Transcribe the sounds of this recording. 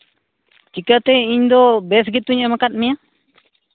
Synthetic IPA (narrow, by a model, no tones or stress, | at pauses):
t͡ʃikat̪eiɲd̪obesɡit̪ːuɲemakat̪̚mia